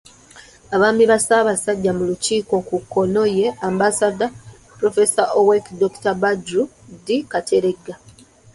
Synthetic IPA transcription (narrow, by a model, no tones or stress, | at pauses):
aβaːmiβasaːβasaɟːamuluciːko̞kukːo̞no̞je̞ambasada | pɾo̞fe̞saʔowekdoku̥tabaɟu | dikatʰe̞ɾe̞ɡːa